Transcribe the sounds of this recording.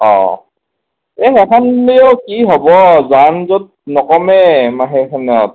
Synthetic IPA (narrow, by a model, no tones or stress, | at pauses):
ɔ̰̃ | ɛxɛkʰaneokiɦɔbɔzanzɔt̚nɔkɔmɛmaɦɛkʰant̚